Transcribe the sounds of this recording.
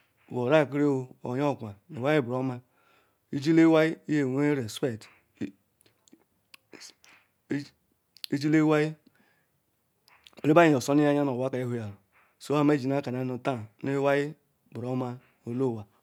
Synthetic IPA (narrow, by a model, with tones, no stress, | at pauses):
wo˨ɾa˦˨kɾe˦o˨o̰˨jo˦˨kʷa˨ne˨wa˦ji˦˨bɾo˦ma˦ | i˦d͡ʒi˦le˦wa˦ji˦i˦je˨we˦ɾe˨se˦˨t | i˦d͡ʒi˦le˦wa˦ji˦˨ | ɾe˦ba˦ji˨o˨so˦ni˦a˦ɲa˦no˨wa˦ka˨je˦hu˦ja˨ɾ | so˦a˦me˦d͡ʒi˨n˦a˦ka˨n˨a˦nu˨ta˦˨ne˦wa˦ji˦ | bɾo˦ma˦ | o˨lo˦˨wa˨